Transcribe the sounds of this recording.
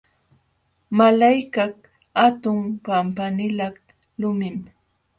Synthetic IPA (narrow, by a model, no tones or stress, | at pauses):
malajkak | at̪ʊŋpampanɪlak | lʊmɪm